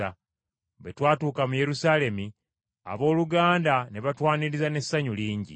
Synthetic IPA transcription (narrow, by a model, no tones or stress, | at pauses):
a | βetwaːtuːkamuje̞ɾusaːle̞mi | a̰βo̞ːluɡaːndaneβatwaːniɾizane̞sːaɲuliːɲɟḭ